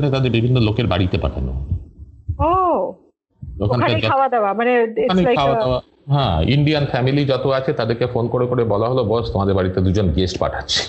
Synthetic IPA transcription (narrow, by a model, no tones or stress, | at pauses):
net̪ad̪eɾbibʱinːolokeɾbaɽit̪epa̰ʈʰa̰no̰ | o | okʰankʰaawad̪ewamaneekaneaaoad̪ea | ɦɛ̃ḭɳɖianfɛmilid͡ʑɔt̪oat͡ɕʰet̪ad̪eɾkefonkoɾekoɾebɔlaɦolobɔst̪omad̪eɾbaɽit̪ed̪ud͡ʑonɡesʈpa̰ʈʰatːɕʰe̥